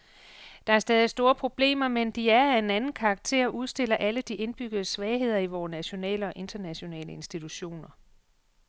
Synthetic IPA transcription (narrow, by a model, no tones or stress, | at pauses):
d̥ɑ̈æɐsd̥ɛːð̞ˠisd̥o̝ːɐpʰʁo̝b̥le̝̰ːmɐmend̥iæɐæe̝nænn̩kʰɑ̈ɡ̥̚t͡sʰe̝̰ɐɒʔuð̞ˠsd̥e̝lɐʔæləd̥ie̝nb̥yɡ̥ð̩ˠəsʋɛːɪɦe̝ð̞̰ˠɐiʋɒːnæɕo̝nɛ̰ːləɒ̽ʔe̝nd̥ɐnæɕo̝nɛ̰ːləe̝nsd̥it͡sʰuɕo̝̰ːnɐ